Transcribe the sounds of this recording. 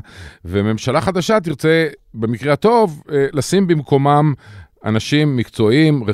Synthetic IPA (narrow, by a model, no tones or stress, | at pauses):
veme̞mʃalaχad̪aʃat̪iʁt͡sebe̞mikʁeat̪o̞vlasimbemko̞mam | a̰naʃimːikt͡so̞imʁa